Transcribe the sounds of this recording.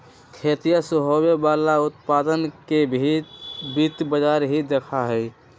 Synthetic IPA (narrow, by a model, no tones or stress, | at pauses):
kʰeːt̪ijasʊɦobebaːlaʊt̪paːd̪ənke | bit̪bəd͡ʒaːɾɦid̪ekʰaɦɛ